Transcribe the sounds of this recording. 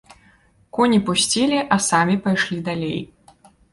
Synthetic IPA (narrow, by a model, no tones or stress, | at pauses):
kɔnʲipusʲt͡sʲilʲiʔɐsamʲipajʂlʲid̪alʲej